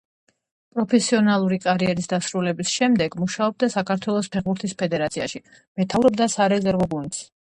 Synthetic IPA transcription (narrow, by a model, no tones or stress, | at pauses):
pʼɾɔpʰɛsiɔnalˠuɾikʼaɾiɛɾisd̪asɾulɛbisʃɛmd̪ɛɡmuʃaɔb̚d̪asakʰaɾt̪ʰwɛlˠɔspʰɛʁbuɾt̪ʰispʰɛd̪ɛɾat̪sʰiaʃi | mɛt̪ʰavɾɔb̚d̪asaɾɛzɛɾɡɔɡunt̪s